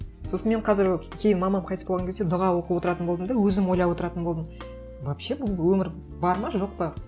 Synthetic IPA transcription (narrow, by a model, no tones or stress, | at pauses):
sosənme̞ɴqʰɑzɪɾkʲʰe̞jɪnmɑmɑmqʰɑjt̪əspolˠʁɑŋkʰʲed̪ed̪ʊʁɑwo̞qəpwo̞t̪əɾɑt̪ənbolˠd̪əmd̪ɑwɵzɪmo̞jlˠɑpwot̪əɾɑt̪ənbo̞lˠd̪əm | vɑpʃebʊlˠwɵmɪɾ | bɑɾmɑʒo̞q̚pɑ